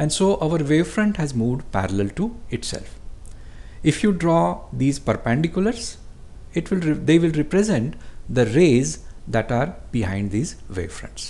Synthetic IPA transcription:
ɛ̃ɳɖsoːʔaʋəɾʋeːfɾə̃ɳʈhæzmuːʋɖpæ̰ɾəlɛlʈuɪʈsɛ̰lf | ɪfjuːɖɾɔːd̪iːzpəɾpɛ̃ɳɖɪkjʊləɾs | ɪʈʋɪld̪eːʋɪlɾɛpɾɛzɛ̃ɳʈd̪əɾeːzd̪æʈaːɾb̥ɪɦãɪ̃ɳɖd̪iːzʋḛːfɾʌ̰̃ɳʈs

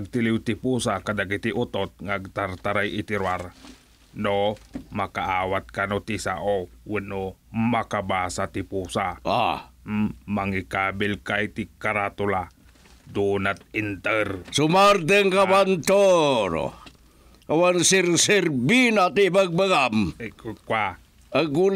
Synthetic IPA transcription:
aɡ̚t̪iliwt̪ipusakad̪akit̪iʔut̪ot̪̚ŋaɡ̚t̪art̪aɾajʔit̪ɪɾwaɾ | nomakaʔawat̪̚kanot̪isa̰ʔowənomakabasat̪ipusaʔa̰mmaŋikabɪlkajt̪ikaɾat̪ula | d̪unat̪̚int̪ərsumart̪əŋkabant̪oɾo̰ | awansiɾsirbinat̪ibaɡ̚bəɡamkkwa | əɡul

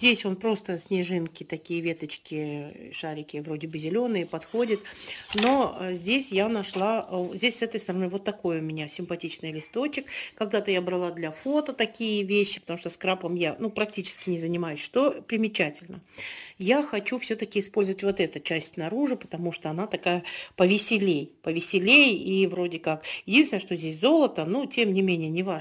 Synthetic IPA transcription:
zʲdʲesʲo̞npɾo̞st̪əsʲnʲɪʐɨnkʲɪt̪ɐkʲijəvʲe̞t̪ət͡ɕkʲɪʂaɾʲɪkʲɪvɾo̞dʲɪbɨzʲɪlʲo̞nɨjəpɐt̪xo̞dʲɪt̪no̞zʲdʲesʲjanɐʂlˠazʲdʲesʲsɛt̪əjst̪əɾɐnovo̞t̪ːɐko̞jəʊmʲɪnʲasʲɪmpɐtʲit͡ɕnɨjəlʲɪst̪o̞t͡ɕɪkkːɐɡ̚d̪at̪əjabɾɐlˠad̪lʲɐfo̞t̪ət̪ɐkʲijəvʲeɕːɪpət̪ɐmuʂt̪oskɾapəmjanupɾɐk̚tʲit͡ɕɪ̥skʲɪnʲɪzənʲɪmajʊsʲʂt̪o̞pɾʲɪmʲɪt͡ɕætʲɪlʲnəjaxɐt͡ɕufsʲɵt̪əkʲɪɪspolʲzəvətʲvo̞t̪ɛt̪ət͡ɕæsʲtʲsnɐɾuʐɨpə̥t̪ɐmuʂt̪oɐnat̪ɐkajəpəvʲɪsʲɪlʲejpəvʲɪsʲɪlʲejivɾo̞dʲɪkakjɪdʲinst̪ʲnʲɪnəʂt̪ozʲdʲes̬ʲzo̞lˠət̪ənutʲemnʲɪmʲenʲɪjənʲɪva

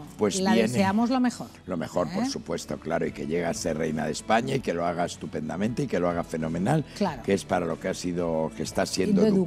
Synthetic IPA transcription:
pwezβjenseamozlomexoɾlo̞me̞xo̞ɾppo̞ɾsupwe̞st̪o̞klaɾoike̞ʎe̞ɣ̞asere̞̰jnaðe̞spaɲaike̞lo̞aɣ̞aest̪upe̞nd̪amẽnt̪eike̞lo̞aɣ̞afe̞nõ̞mẽ̞nallakeespaɾalo̞keasiðokest̪asje̞nd̪o

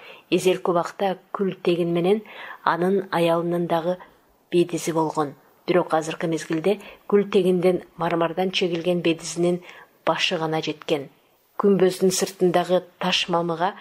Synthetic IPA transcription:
eze̞lkʲuβɑqt̪ɑkʲʰʉlt̪ʰe̞ɡʲɪnme̞ne̞nɑ̰nənɑjɑlˠənənd̪ɑʁə | b̥e̞d̪ɪzɪbo̞lˠʁo̞n | b̥ɪɾo̞qɑzəɾqəme̞zɡʲɪld̪e̞kʲʰʉlt̪e̞ɡʲɪnd̪e̞nmɑɾmɑɾd̪ɑnʃe̞ɡʲɪlɡʲe̞nbe̞d̪ɪzɪnɪn | b̥ɑʃəʁɑnɑd͡ʒe̞t̪kʲe̞n | kʲʰymbøzd̪ɪnsəɾt̪ənd̪ɑʁət̪ʰɑʃmɑməʁɑ

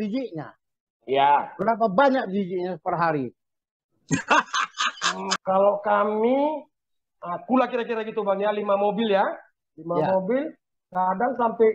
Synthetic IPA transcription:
did͡ʒiʔɲa̰ | jabəɾap̬abaɲak̚did͡ʒiʔɲasəpərɦaɾi | m̩kalokami | əkulakiɾakiɾaɡit̪ubaŋjalimamobɪlja | limaamobɪl | kadaŋsampɛ

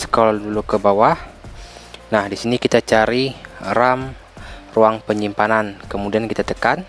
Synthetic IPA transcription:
sə̥kaladulukəbawah | nahdisinikit̪at͡ʃaɾiɾam | ruaŋpəɲimpanankəmudiankit̪at̪əkan

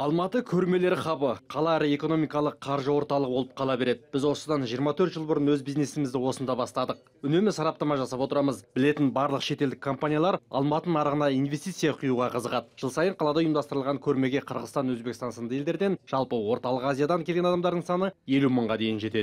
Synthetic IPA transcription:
ɑlˠmɑt̪əkʲʰɵɾme̞le̞ɾɪχɑbəqʰɑlˠɑæɾɪe̞ko̞no̞mijkɑlˠəqʰɑɾʒəwo̞ɾt̪ɑlˠəʁbo̞lˠəp̚qʰɑlˠɑbe̞ɾe̞d̪ɪb̥ɪzwo̞səd̪ɑnʒijəɾmɑt̪ʰɵɾt̪ʒəlˠbʊɾənwɵzbizne̞sɪmɪzd̪ɪwo̞sənd̪ɑbɑst̪ɑd̪əq̚ | ʏne̞mɪsɑɾɑp̚t̪ɑmɑʒɑsɑpo̞t̪əɾɑməzbɪle̞t̪ɪnbɑɾlˠəqʃe̞t̪eld̪ɪkʰːo̞mpanʲijalˠɑɾɑ̰lˠmɑt̪ənɑɾəʁənɑinve̞st̪ijt̪sijɑqʰʊjuʁɑqʰəzəʁɑt̪ʒ̥əlˠsɑjəɴqʰɑlˠɑd̪ɑʊjəmd̪ɑst̪əɾəlˠʁɑŋkʲʰɵɾme̞ɡʲeqʰəɾʁəzt̪ɑnwɵzbe̞kʲɪst̪ɑnsənd̪ɑe̞ld̪e̞ɾd̪e̞nʒ̥ɑlˠpəwo̞ɾt̪ɑlˠəqazʲijad̪ɑŋkʲʰelɡʲenɑd̪ɑmd̪ɑɾd̪əɴsɑnəje̞luməɴʁɑd̪e̞jɪnʒe̞t̪e̞d̪ɪ

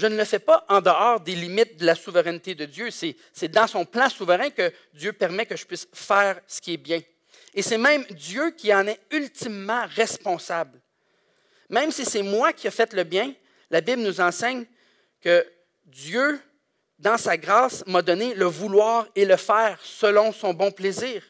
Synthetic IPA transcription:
ʒənələfɛpaʔɑ̃d̪əɑːʁd̪elimɪt̪̚d̪əlasuvəʁɛnt̪ed̪əd̪jøsɛ | sɛd̪ɑ̃sɔ̃plãsuvəʁɛ̃kə | d̪jøpɛʁmɛkəʒəpɥɪsfɛːʁsə̥kʲiɛbjɛ̃ | esɛmɛ̃md̪jøkʲiɑ̃nɛylt̪imːɑ̃ʁɛspɔ̃sabl | mɛ̃msisɛmwakʲiafɛt̪ləbjɛ̃ | labɪblnuzɑ̃sɛɲ | kə | d̪jø | d̪ɑ̃saɡʁaːsmad̪ɔneləvulwɑːʁeləfɛːʁsəlɔ̃sɔ̃bɔ̃pleziːʁ

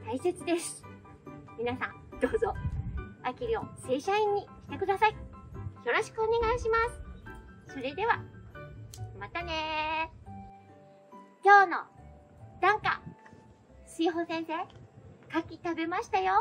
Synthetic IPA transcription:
t̪aiset͡sɨd̪e̞sɨ̥ | mʲinasã̰nd̪̥o̞ːzo̞ | akʲiɾʲio̞̰se̞ːɕaĩɲ̟ːiɕi̥t̪e̞kɯ̟d̪asaijo̞ɾo̞ɕi̥kɯone̞ɡaiɕimasɨ̥so̞ɾe̞d̪e̞βa | mat̪ane̞ | kʲo̞ːno̰ | d̪̥ãŋka̰ | sɨiɦosẽ̞ɰ̃se̞ːkakʲit̪abe̞maɕi̥t̪ajo̞

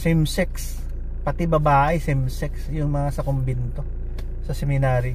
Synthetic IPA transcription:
sɪmsɛks | pɐt̪ɪbɐbaːʔɪsɪmsɛksjʊŋmɐŋasɐkombɪnt̪o̞ | sɐsɛmɪnaːɾi

